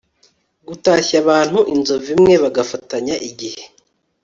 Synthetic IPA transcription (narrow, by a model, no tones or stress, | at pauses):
ɡutaːçaβaːn̥huʔinzo̞vimŋe̞βaɡafataɲaʔiɟihe̥